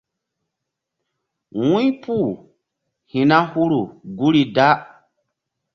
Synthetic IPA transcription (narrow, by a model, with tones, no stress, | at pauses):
wũ˦pu˦˨ | hĩ˨na˦hu˦ɾu˨ɡu˦ɾi˨da˦